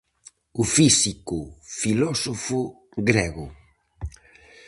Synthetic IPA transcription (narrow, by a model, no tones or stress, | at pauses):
ʊfisikʊfilɔsofʊ | ɡɾɛɣʊ